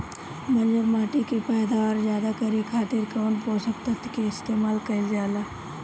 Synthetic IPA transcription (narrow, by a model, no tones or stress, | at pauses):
mɐnd͡ʒəɾmaːʈikipɛːd̪aɔːɾzjaːd̪akəɾikʰaːt̪ɪɾkanpoːsəkt̪ɐt̪ːkeɪst̪eːmaːlkɐizjaːlaː